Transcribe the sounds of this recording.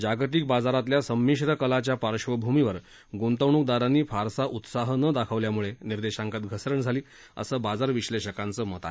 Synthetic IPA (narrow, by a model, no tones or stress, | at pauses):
d͡ʑaɡt̪iːk̚bad͡zaɾat̪ljasəmːiɕɾəkəlat͡ɕjapaɾʂʋəbʱumiʋəɾ | ɡont̪əʋɳuːk̚d̪aɾanːiːfʰaɾsaʔut̪saɦənəd̪akʰəʋljamuɭeniɾd̪eɕãŋkat̪ɡʱəsɾəɳd͡zʱaliː | ə̰səːbad͡zaɾʋiɕleɕəkant͡səːmət̪a̰